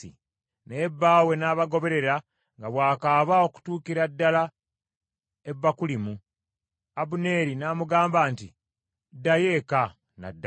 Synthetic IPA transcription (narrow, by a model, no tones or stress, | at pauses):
ḭ | ne̞bːaːwe̞naːβaɡo̞βe̞ɾe̞ɾa | ŋɡaβwaːkaːβao̞ku̥tuːkiɾadːala | e̞bːakulimu | abune̞ɾinaːmuɡaːmbaːnti | dːaje̞ːka | na̰dː